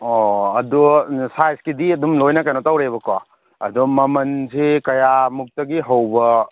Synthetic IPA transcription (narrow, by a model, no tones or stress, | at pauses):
ɔɐdusajskidiɐdumlojnakajnɔtawɾeβɐka | ɐ̰dumɐmɐnzekɐjamuk̚tɐɡiɦɐwbɐ